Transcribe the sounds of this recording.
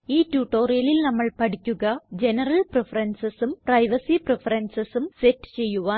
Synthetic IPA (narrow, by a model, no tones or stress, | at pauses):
iːtːuːʈːo̞ːrijɐlilnɐmːɐɭpɐʈikʲːuɣɐd͡ʑe̞nɐrɐlprefɐrɐnsɐsumprɐjʋɐsiprefɐɾɐnsɐsumsetːɨ̥t͡ɕe̞jːuʋaː